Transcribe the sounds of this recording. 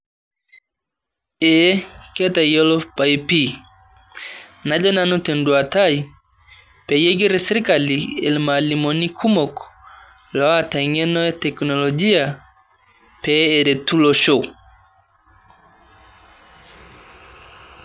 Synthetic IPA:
ɛ˦kɛ˦ta˨ijɔ˦lɔpa˨jpi˦ | na˨d͡ʒɔ˦na˦nu˦tɛ˨ndu˨a˨ta˦i | pɛ˨jɛ˦ɡi˦ɾɛ˦sɛ˦ɾi˦ka˨liɛ̰˨lmalimɔni˦kʰu˦mɔ˨k | lɔ˨a˦˨ta˨iŋɛ˦nɔ˦ɛ˦tɛ˨knɔ˨lɔd͡ʒi˦a˨ | pɛɛ˨ɾɛ˨tu˦lɔ˨ʃɔ˦

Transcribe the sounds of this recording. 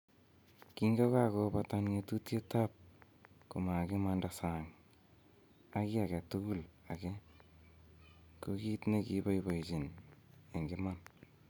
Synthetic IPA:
kiŋɡo˦ka˦kopata˦nŋe˧tu˦tje˦tap̚ | ku˨ma˨kɪ˦ma˦ndasaŋ | a˦ki˦a˨kɛ˨tuku˦la˨kɛ˦ | koki˦tnekiβo˦jbo˨it͡ʃi˨ne˨ŋɡɪman

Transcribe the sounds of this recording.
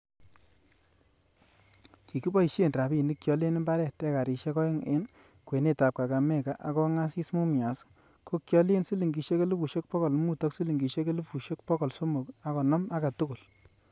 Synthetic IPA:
ki˨ki˦bɔ˦i˨ʃe˦˨nra˨bi˦˨ni˦kjɔ˨le˦ne˦mba˦ɾɛ˨tɛ˦ka˨ɾi˨ʃe˦kɔ˦e˦ŋe˦n | kwe˨ne˦˨ta˨p̚ka˨ka˨mɛ˦˨ka˨ʔa˨kɔ˦ŋa˦si˦smu˦mja˨s | ko˦kjɔ˦le˦nsi˦li˨ŋɡi˨ʃe˦ke˦lu˦pu˨ʃe˦k̚pɔ˦kɔ˨lmu˦tɔ˦ksi˦li˨ŋɡi˨ʃe˦k̬e˦lu˦pu˨ʃe˦k̚pɔ˦kɔ˨lso˦mo˨ka˦kɔ˨nɔ˦ma˦ka˨tu˦ku˨l

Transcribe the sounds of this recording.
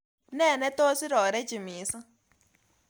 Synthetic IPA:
nẽ˦˨nẽ˦t̪o˦si˦ɾo˨ɾe˦t͡ʃi˨mĩ˨˦sã˦

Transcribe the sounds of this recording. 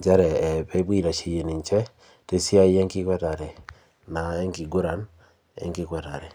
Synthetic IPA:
d͡ʒa˦ɾɛ˨pɛ˦bi˦ɾa˨t͡ʃe˨je˨ni˨ɲt͡ʃɛ˦ | te˦si˦a˦jɛ˦ŋkɪ˦kwɛ˦ta˨ɾɛ˨ | na˨ɛ˦ŋki˨ɡʊ˦ɾa˨˦n | ɛ̰˦ŋki˦kwɛ˦ta˨ɾɛ˨

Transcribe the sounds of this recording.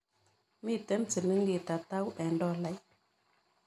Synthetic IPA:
mi˦˨tɛ˨˦nt͡si˨li˦ŋɡi˨ta˨ta˦wʔɛ˨ndɔ˦˨la˨˦j

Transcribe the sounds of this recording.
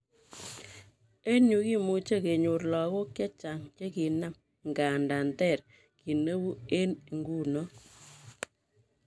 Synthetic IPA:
e˦nu˨ki˦mu˨t͡ʃe˦ke˨ɲu˨ɾlɔ˨ko˦kjɛ˦t͡ʃa˨ŋt͡ʃe˦ki˨na˦˨m | ŋɡa˨nda˨ntɛ˦˨ɾ | ki˨ne˦wu˦e˦n˨ŋɡu˦˨nɔ˦

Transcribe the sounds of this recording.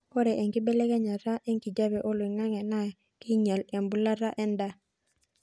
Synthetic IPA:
kɔ˦ɾɛ˨ʔe˨ŋki˦bɛ˦lɛ˦ka˦ɲa˨ɾa˦ʔɛ˦ŋki˨d͡ʒa˦bɛ˨ʔɔ˦lwi˨ŋa˦ŋɛ˨na˦˨ | ki˦ɲa˨le˨mbu˦la˦ɾa˦ʔɛ˦nda˦

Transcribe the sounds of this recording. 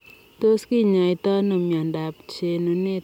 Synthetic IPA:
to˦ski˦ɲa˨jtɔ˦no˨mja˨nda˨pt͡ʃe˧nu˨ne˦

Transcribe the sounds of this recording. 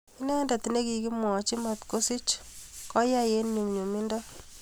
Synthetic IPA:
i˦nɛ˦nda˨ti˨ne˦ki˨ki˦mɔ˨t͡ʃi˦ma˨tko˦si˦t͡ʃkɔ˦ja˦je˦nɲu˨ŋɲu˨mi˦ndɔ˦

